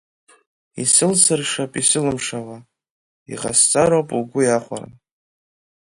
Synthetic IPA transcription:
isɨlsɨrʂapʼisɨlɨmʂawa | iʁa̰st͡sʼaɾowpʼuɡʷʊjaχʷa̰ra̰

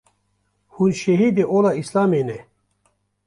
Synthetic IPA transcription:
hunɕeɦid̪eʔolaislaːmene

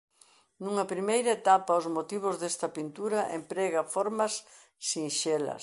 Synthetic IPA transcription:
nuŋɐpɾimejɾɐet̪apɐozmot̪iβʊzðest̪ɐpint̪uɾɐʔempɾɛɣɐfoɾmɐsː | inʃelɐ̰s

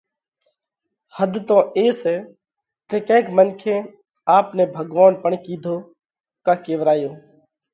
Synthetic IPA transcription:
həd̪ʱt̪õːʔeːseː | d͡ʒeːkɛ̃ːkmənkʰẽː | aːpneːbʱəɡʋaːnpəɳkiːd̪ʱoː | kaːkeːʋɾaːjoː

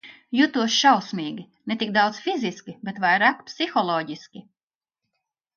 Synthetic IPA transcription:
jut̪uɔsʃawsmiːɡʲi | net̪ik̚d̪awd̪zsfiziskʲibet̪vajɾaːkpsixɔlˠɔːɟiskʲi

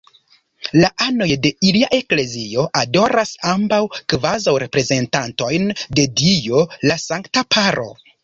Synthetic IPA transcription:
laʔano̞jde̞iliaʔe̞kle̞zio̞ʔado̞ɾasambawkvazawɾe̞pɾe̞ze̞ntanto̞jnde̞dijolasaŋktapʰaɾo̞̰

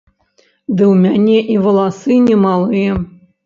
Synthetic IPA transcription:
d̪ɨwmʲanʲɛʔivɐlˠasɨnʲɛmalˠɨjɛ

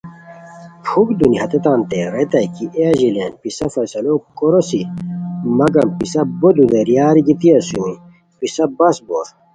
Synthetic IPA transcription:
pʰukd̪uniɦɐt̪et̪aːnt̪eɾet̪ɐjkiʔeʑilḛnpisɐfɐsɐlokoɾosi | mɐɡɐmpisɐbod̪ud̪eɾjaːɾiɡit̪iɐsũi | pisɐbɐsboɾ

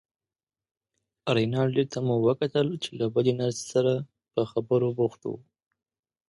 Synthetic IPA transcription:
ɾajnɑɽd̪et̪amuwəkat̪əlt͡ʃelabəlenaɾse̥saɾa | pəxabəɾoboxt̪o̰

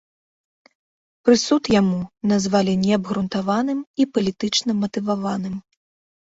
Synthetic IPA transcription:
pɾɨsut̪jamunazvalʲinʲɛɐbɣɾunt̪avanɨmipɐlʲit̪ɨt͡ʂnɐmɐt̪ɨvavanɨm

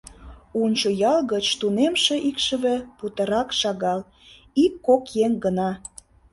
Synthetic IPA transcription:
unʲt͡ɕojɑlɣət͡ɕt̪unemʃĕʔikʃə̆βĕput̪ə̆ɾɑkʃɑɣɑl | ikːokjeŋɡənɑ

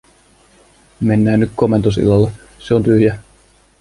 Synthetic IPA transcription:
me̞nːæːnːyk̪ko̞me̞nt̪os̬ḭlɑlːe | seo̞nt̪yhjæ

